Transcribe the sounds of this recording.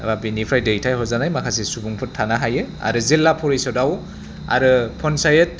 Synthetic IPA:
bapinipʰɾajdejtʰajɦɔzanajmakʰas̬esubuŋpʰɯtʰanaɦajɯa̰ɾɯzilːapʰɔɾisɔdaw | a̰ɾɯpʰɔnsajɯt̚

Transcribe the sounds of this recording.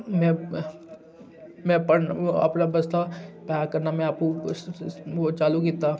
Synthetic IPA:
mɛ̃ | mɛ̃pɐɽa̰ːpnabɐst̪apaːkɐɾnamɛ̃aːpko | ot͡ʃaːlukit̪a

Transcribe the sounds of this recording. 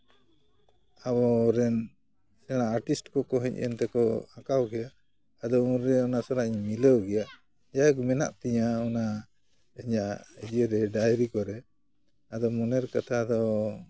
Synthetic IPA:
abɔɾɛn | sɛɽ̃aːɾʈisʈkɔkɔɦɛɲɛ̰nt̪ɛkɔ̰akawɡɛjaʔː | d̪ɔuɾɛɔnasaɾaʔiɲmiləwɡɛjaʔ | d͡ʒakmɛna̰ʔt̪ɛɲaɔna | ɛɲaʔəd͡ʒəɾɛɖajɾikɔɾɛ | ad̪ɔmɔnɛɾkat̪ʰad̪ɔ

